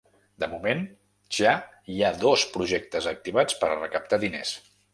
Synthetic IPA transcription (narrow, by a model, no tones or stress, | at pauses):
d̪əmumen | ʒa | iaðospɾuʒɛk̚t̪əzək̚t̪iβ̞at͡spəɾrəkəp̚t̪aðines